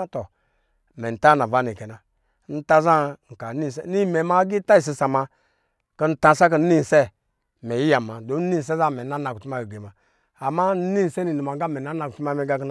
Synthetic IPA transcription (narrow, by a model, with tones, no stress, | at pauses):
tɔ˨ | mɛ˨n̩˨ta˦na˨va˦ni˨kɛ˨na˨ | n̩˦ta˦za˦ŋ̩˨ka˨ni˦˨sni˦˨mɛ˨ma˦ɡi˦ta˦i˨s̬i˧sa˨ma˧ | kə˦n̩˦tã˧sa˦kə˦n̩˦ni˦˨sɛ˦˨ | mɛ˨ji˦ja˨ma˨do˨˦ni˦˨sɛ˦za˦˨mɛ˨na˦na˨ku˨u˦ma˦˨ɡe˨ma˨ | a˨ma˦n̩˦ni˦˨sɛ˦ni˨nu˨ma˨˦ɡa˦mɛ˨na˦na˨ku˨ti˦ma˦mɛ˨˦ɡa˦kn